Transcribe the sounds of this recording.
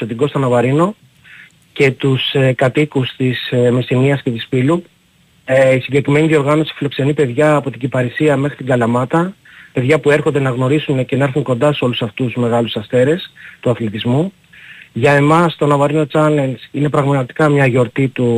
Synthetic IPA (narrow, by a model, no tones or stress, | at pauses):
sot̪iɡo̞st̪ɐnɐvɐɾino̞ | ce̞t̪usekɐt̪ikust̪ismest̪iniɐsce̞t̪isfilu | isiɲɟe̞kɾime̞niio̞ɾɣɐno̞si̥filo̞kse̞nipe̞ðʝɐːpo̞t̪iɟipɐɾisiɐme̞xɾit̪iŋɡɐlɐmɐt̪ɐ | pe̞ðʝɐpue̞ɾxo̞nd̪e̞nɐɣno̞ɾisunece̞nɐeɾθuŋko̞nd̪ɐseo̞lusɐft̪uzme̞ɣɐlusɐst̪e̞ɾe̞st̪uɐθlit̪izmu | ʝɐe̞mɐst̪o̞nɐvɐɾino̞t͡sɐlensine̞pɾɐɣmɐɐt̪i̥kɐmɲɐʝo̞ɾt̪it̪u